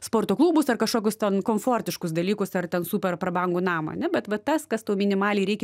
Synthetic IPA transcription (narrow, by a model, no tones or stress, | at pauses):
spoːrt̪oːklˠuːbʊsɐrkɐʃkoːkʲʊst̪ʲɛnkoːmfoːɾʲt̪ʲɪʃkʊsd̪ɐlʲiːkʊsɐrtʲɛnsuːpʲɛrpɾɐbɐŋɡʊːnɑːmɐɐ̰nʲɛbʲɛt̪ʋɐt̪ɐskɐst̪ɐʊmʲɪnʲɪmɑːlʲɛɪɾʲɛɪkʲɛ